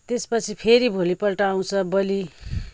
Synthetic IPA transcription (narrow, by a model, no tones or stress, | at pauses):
t̪espʌt͡sʰipʰeɾibʱolipʌlʈaaw̃t͡sʰʌbʌli